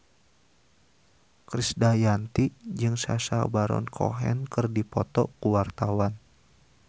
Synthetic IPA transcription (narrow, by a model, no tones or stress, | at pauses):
kɾisdajant̪id͡ʒɨŋsa̰sa̰baɾɔ̰nkʰɔ̰ɦɛ̰nkɨrdipɔt̪ɔkuwart̪awan